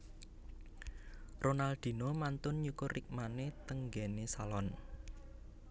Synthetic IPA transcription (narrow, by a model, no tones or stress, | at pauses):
ronald̪̥i̤nomant̪ʊnɲukʊrʔik̚manet̪əŋɡɛnesalɔn